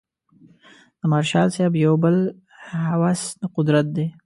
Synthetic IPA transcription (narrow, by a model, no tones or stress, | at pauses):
d̪̥əmɑːɾʃɑːlsabjawbəl | hawasnaqʊd̪ɾat̪̚d̪e